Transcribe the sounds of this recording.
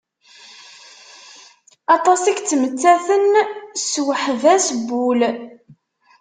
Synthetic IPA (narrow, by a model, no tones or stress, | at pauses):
ɑt̪ˤɑsikt͡sːəmət͡sːæθənswəħvæsbul